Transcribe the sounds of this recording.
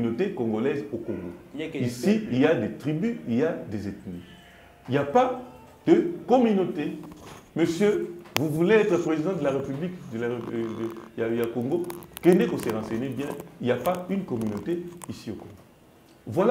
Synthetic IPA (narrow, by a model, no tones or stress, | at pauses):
notekoŋɡolɛzokoŋɡoisiiljad̪et̪ʁibyiljad̪ezetnḭ | iljapa | d̪̥əkɔmynoteməsjøvuvuleɛt̪χəpʁezid̪ɑ̃d̪əlaʁepyblikdəl | jakoŋɡokendekoseʁɑ̃sɛnebjɛ̃iljapaynkɔmynoteisiokõŋɡo | vwal